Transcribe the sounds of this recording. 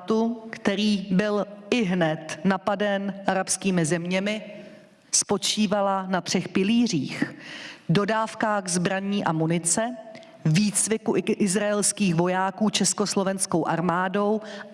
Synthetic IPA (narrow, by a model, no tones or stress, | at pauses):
t̪ukt̪ɛɾiːbɪlɪɦnɛt̪napadɛnʔaɾapskiːmɪzɛmɲɛmɪ | spo̞t͡ʃiːvalanat̪r̝̥ɛxpɪliːr̝iːx | do̞daːfkaːɣzbɾaɲiːʔamunɪt͡sɛ | viːt͡svɪkuʔʔɪzɾaɛlskiːxvo̞jaːkuːt͡ʃɛsko̞slo̞vɛnskowʔaɾmaːdo̞w